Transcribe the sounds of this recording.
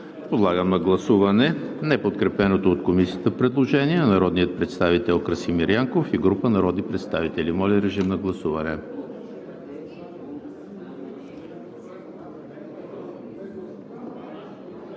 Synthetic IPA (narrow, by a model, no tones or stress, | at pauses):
pod̪lˠaɡəmnɐɡlˠɐsuvɐnɛ | nɛpot̪kɾɛpɛnot̪oːt̪komisiət̪əpɾɛd̪lˠoʒɛniɛnɐɾɔd̪niət̪̚pɾɛt̪st̪avit̪ɛlˠkɾəsimiɾjaŋkofiɡɾupənɐɾɔd̪nipɾɛt̪st̪avit̪ɛlimɔlʲɛɾɛʒimnɐɡlˠɐsuvɐnɛ